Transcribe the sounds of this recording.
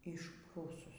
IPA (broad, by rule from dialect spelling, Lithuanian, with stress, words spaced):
ɪʃˈpruːsʊs